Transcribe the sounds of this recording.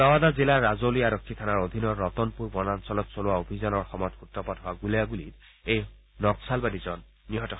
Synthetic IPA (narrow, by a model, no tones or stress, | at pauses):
ɔwadazilaɹazoliaɹɔkʰːit̪ʰanaɹod̪ʱinɔːɔtɔnpuɹbɔnansɔlɔtsolʊwaobʱizanɔɹxɔmɔjɔtxutɹɔpɔtɦowaɡuliaɡulit̚ | ej | nɔksalbadizɔnː | iɦɔtɔx